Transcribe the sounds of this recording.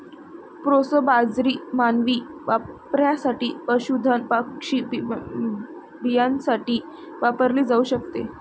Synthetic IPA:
pɾosəbad͡zɾiːmanʋiːʋapɾjasaʈiːpəɕud̪ʱənpəkʂiː | bijãnsaʈiː | ʋapəɾliːd͡zauɕək̚t̪e

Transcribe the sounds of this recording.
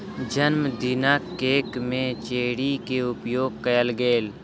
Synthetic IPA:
d͡ʒənmd̪ɪnakːeːkmẽt͡ʃeːɽikeʊpjoːɡ̚kəjəlɡeːl

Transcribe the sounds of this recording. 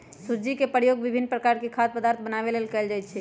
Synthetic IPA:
sud͡ʒikepəjoɡbibʱinːpɾəkaɾkekʰad̪̚pəd̪aɾt̪ʰbənaβelelkəeld͡ʒajt̪t͡ʃʰɛ

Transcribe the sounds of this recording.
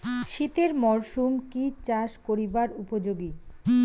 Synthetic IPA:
ʃit̪eɾmɔɾʃumkit͡ɕaʃkoɾibaɾupod͡ʑoɡi

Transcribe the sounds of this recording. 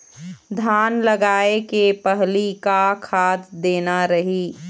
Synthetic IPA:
d̪ʱaːnləɡaːekepəɦlikakʰaːt̪d̪eːnaɾəɦiː

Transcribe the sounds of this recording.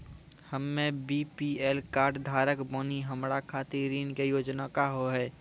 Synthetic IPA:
həmːẽbipiɛːlkaːɾɖd̪ʱaːɾəkboːniɦəmɽakʰaːt̪iɾiːnkejoːd͡ʒnakaɦoɦɛː

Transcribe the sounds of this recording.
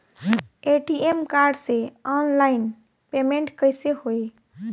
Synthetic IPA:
eʈiemkaɾɖseɔnlaɪn | pemẽɳʈkəɪsehoi

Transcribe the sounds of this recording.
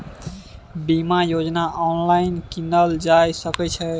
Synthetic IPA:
bimajod͡ʒnaʔɔnlainkinəld͡ʒajsəkɛt͡ʃʰɛ

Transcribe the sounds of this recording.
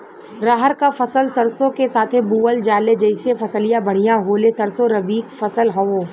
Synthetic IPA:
ɾaɦəɾkafɐsəlsɐɾsõkesaːt̪ʰẽbuːəld͡ʒaːled͡ʒɐɪsefɐsəlijãbɐɽ̤ijãɦolesɐɾsoɾɐbiːkfɐsəlɦɐoː

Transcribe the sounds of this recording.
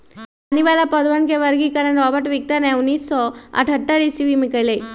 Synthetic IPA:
aniʋalapɔd̪ʋənkeʋəɾɡikəɾəɳɾɔbəʈʋik̚t̪anɛwnisɔə̰ʈʰət̪ːaɽisiʋimikəjle

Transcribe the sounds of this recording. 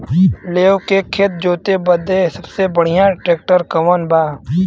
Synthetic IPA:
leːokekʰeːt̪̚d͡ʒoːt̪ebəd̪esɐbsebəɽ̤ijãʈɾeːk̚ʈəɾkɐʋənbaː

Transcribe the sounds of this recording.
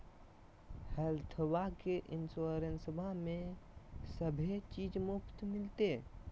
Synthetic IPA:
hɛlt̪ʰəʋakeʔinsoɾensəbʱamẽ | səbʱet͡ʃid͡ʒmukt̪milt̪e

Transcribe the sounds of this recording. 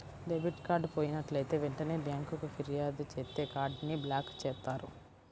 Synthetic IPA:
ɖebiʈkaːɾɖpoːjinɐʈlɐjt̪e̞ːʋɛɳʈɐne̞ːbjaːŋkukupʰiɾijaːd̪ut͡ʃeːt̪ːe̞ːkaːɾɖniblaːkːt͡ʃɛːt̪ːaːɾu

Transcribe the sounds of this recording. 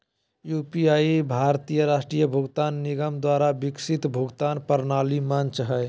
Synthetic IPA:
jupiaibʱaɾt̪ijəɾasʈɾijəbʱuɡt̪aːnːiɡəmd̪waːɾabiksit̪bʱuɡt̪aːnpəɾnalimənt͡ʃɦəj

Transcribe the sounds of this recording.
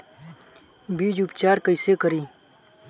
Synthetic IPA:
biːd͡ʑupt͡ʃaːɾkəjseːkəɾiː

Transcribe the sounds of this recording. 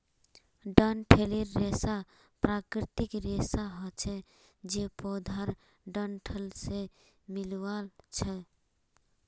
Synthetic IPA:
ɖanʈʰeliɾːesa | pɾakɾɪt̪ɪkɾesaɦɔt͡ʃʰɛ | d͡ʒepɔd̪ʱaɾ | ɖənʈʰəlse | mɪlwalt͡ʃʰɛ

